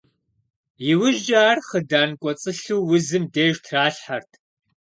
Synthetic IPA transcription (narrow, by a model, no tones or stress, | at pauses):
jɪwʒd͡ʒʼaːrχədaːnkʷʼɔt͡sʼɨɬuwwʊzɨmdeːʒtʰraːɬħartʰ